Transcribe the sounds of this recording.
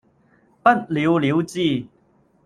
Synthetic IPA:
pɐ˥˨t̚li˨˦wli˨˦wt͡siː˥˧

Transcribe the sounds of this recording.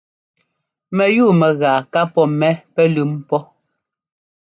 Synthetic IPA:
mɛ˨juː˦˨mɛ˨ɣa˨ka˦pɔ˦mɛ˦pɛ˦lʉ˦mpɔ˦

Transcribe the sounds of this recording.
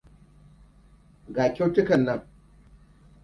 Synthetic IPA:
ɡaː˨kʲe˦wtɪ˦kɐ˨nːɐ˦ŋ

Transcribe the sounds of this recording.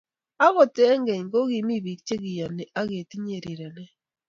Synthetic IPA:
a˦ɣo˨te˦ŋɡe˨ɲŋɡo˦ɣi˨mi˦βi˨kt͡ʃe˦ɣi˨ja˨ne˨ʔa˦ɣe˨ti˦ɲe˨ɾi˨ɾa˨ne˦

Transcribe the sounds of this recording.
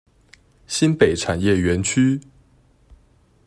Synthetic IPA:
ɕi˦npe˨˩ɪʈ͡ʂʰa˨˩njɛ˥˨ɥɛ˧˦nt͡ɕʰy˦

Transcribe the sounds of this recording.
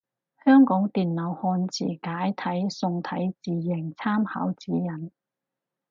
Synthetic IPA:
hœː˥ŋkɔː˨˥ŋt̪iː˨nlɐ˨˩whɔː˧nt͡sʰḭː˨˩kaː˨˥jt̪ʰɐ˨˥jsʊ˧ŋt̪ʰɐ˨˥jt͡siː˨jɪ˨˩ŋt͡sʰaː˥mha̰ː˨˥wt͡siː˨˥jɐ˨˩n

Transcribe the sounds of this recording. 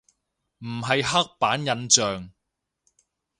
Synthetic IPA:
m̩˨˩ɦɐ˨jɦɐ˥k̚paː˨˥njɐ˨˧nt͡sœː˨ŋ

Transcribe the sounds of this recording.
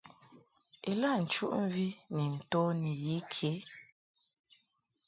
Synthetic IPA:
e˨la˦˨n̩˨t͡ʃṵ˦ʔm̩˦vi˦ni˨n̩˨to˦ni˨ji˨˦kʰe˨˦

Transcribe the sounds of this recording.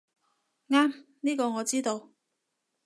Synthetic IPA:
ŋaː˥mniː˥kɔː˧ŋɔː˨˧t͡siː˥t̪o˧w

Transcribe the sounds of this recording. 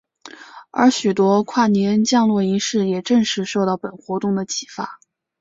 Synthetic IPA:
ə̰˞˧˥ɕy˨˩t̪wɔ˥kʰwa˥˩njɛ˧˥nt͡ɕjɑ˥˧ŋlwɔ˥˩i˧˥ʂɻ̩˥˩jɛ˨˩ʈ͡ʂə˥˧ŋʂɻ̩˥˧ʂo˥˧ʊt̪ɑ˥˩ʊpə˨˩nxwɔ˧˥t̪ʊ˥˩ŋd̪ə˩t͡ɕʰi˨˩fa˥˩

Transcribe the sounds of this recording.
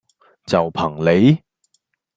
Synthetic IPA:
t͡sɐ˨wpʰɐ˨˩ŋle˨˧j

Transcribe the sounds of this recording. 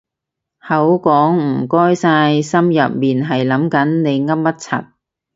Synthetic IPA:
hɐ˨˥wkɔː˨˥ŋm̩˨˩kɔː˥jsaː˧jsɐ˥mjɐ̰˨p̚miː˨nɦɐ˨jlɐ˨˥mkɐ˨˥nne˨˧jŋɐ˥p̚mɐ˥t̚t͡sʰɐ̰˨t̚

